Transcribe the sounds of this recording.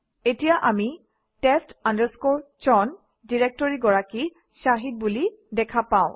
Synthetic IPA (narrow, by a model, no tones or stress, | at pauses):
etijaʔami | tɛstandəɹskoɹ | t͡ʃɔn | diɹek̚tɔɹiɡɔɹaki | saɦit̚bulidɛkʰapãʊ̃